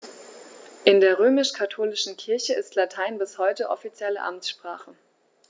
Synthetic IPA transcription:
ʔɪndeːɐʁøːmɪʃkʰatʰoːlɪʃn̩kʰɪɐçəɪstlatʰaɪnbɪshɔʏtəʔɔ̰fit͡sjɛlə̰ʔa̰msʃpʁ̥aːχə

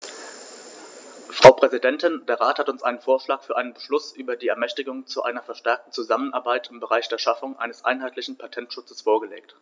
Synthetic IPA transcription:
fʁ̥aʊpʁ̥ɛzidɛntɪnd̥eːɐʁaːthatʊnsʔa̰ɪnənfoːɐʃlaːkfyːɐaɪnənbəʃlʊsʔyːbɐdiːɛɐmɛçtɪɡʊŋt͡suʔa̰ɪnɐfɛɐʃtɛɐk̚tn̩t͡suzamənʔaɐbaɪtɪmbəʁaɪçd̥eːɐʃafʊŋʔa̰ɪnəsʔa̰ɪnɦaɪtʰlɪçn̩pʰatʰɛntʃʊt͡səsfoːɐɡəlḛːk̚t

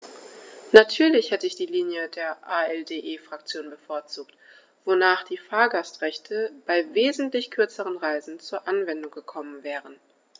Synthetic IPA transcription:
natʰyːɐlɪçhɛtəɪçd̥iːliːnjədeːɐʔaːɛldeːʔeːfʁ̥akt͡sjoːnbəfoɐt͡suːkt | v̥onaːχd̥iːfaːɐɡastʁ̥ɛçtʰəb̥aɪveːzn̩tlɪçkʰʏɐt͡səʁənʁaɪzn̩t͡suːɐʔanvɛndʊŋɡəkʰɔmənvɛːʁən

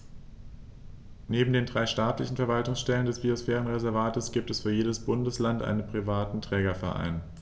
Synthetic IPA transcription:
neːbm̩deːndʁaɪʃtaːtlɪçn̩fɛɐvaltʊŋsʃtɛləndɛsb̥iosfɛːʁ̞ənʁɛzɛɐvaːtəsɡ̥iːp̚tɛsfyːɐjeːdəsb̥ʊndəslantʔa̰ɪnənpʁ̥ivaːtn̩tʁ̥ɛːɡɐfɛɐʔa̰ɪn

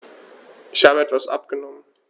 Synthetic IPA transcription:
ʔɪçhaːbəɛtv̥asʔa̰pɡ̥ənɔmən

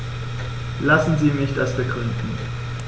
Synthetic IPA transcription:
lasn̩ziːnɪçtalsb̥əɡʁʏndn̩

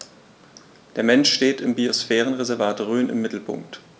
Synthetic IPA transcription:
d̥eːɐmɛnʃʃteːtɪmbiosfɛːʁ̞ənʁezɛɐvaːtʁøːnɪ̰mːɪtl̩pʰʊ̰ŋk̚t

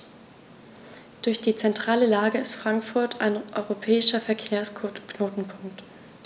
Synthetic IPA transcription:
d̥ʊɐçd̥iːt͡sɛntʁ̥aːləlaːɡəɪstfʁ̥aŋkfʊɐtʰa̰ɪnʔɔʏʁopʰɛːɪʃɐfɛɐkʰɛːɐskʰnoːtn̩pʰʊŋkt

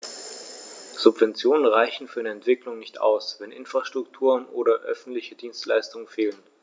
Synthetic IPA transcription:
z̥ʊpv̥ɛnt͡sjoːnənʁaɪçn̩fyːɐaɪnəɛntv̥ɪklʊŋnɪçta̰ʊsv̥ɛnʔɪ̰nfʁ̥aʃtʁ̥ʊktʰuːʁənʔoːɾɐʔœfn̩tlɪçədiːnstla̰ɪstʊŋənfeːlən

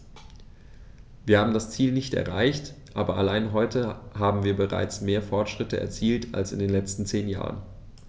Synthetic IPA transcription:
viːɐhaːbm̩dast͡siːlnɪçtɛ̰ɐʁaɪçtʔaːbɐʔalaɪnɦɔʏtʰəhaːbm̩viːɐbəʁa̰ɪt͡smeːɐfɔɐtʃʁ̥ɪtəʔɛ̰ɐt͡siːltʰa̰lsɪ̰ndeːnlɛt͡stn̩t͡seːnja̰ːʁə̰n

